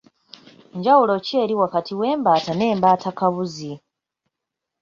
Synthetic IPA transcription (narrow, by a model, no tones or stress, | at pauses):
ɲɟawulo̞ce̞ːɾiwakatiwe̞ːmbaːtane̞ːmbaːtʰakaβuzi